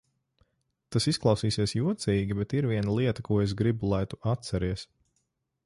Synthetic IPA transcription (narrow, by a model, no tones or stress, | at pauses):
t̪asisklˠɑwsiːsiɛsjuɔt̪sʲiːɡʲibɛt̪iɾviɛnalˠiɛt̪akuɔes̬ɡɾibulˠajt̪uʔat̪̚sɛɾiɛs